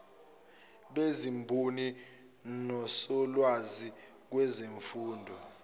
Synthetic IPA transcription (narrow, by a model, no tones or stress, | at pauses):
ɓezimbʱuni | nɔsɔlwazi | k̬wɛzeɱfuːndʱɔ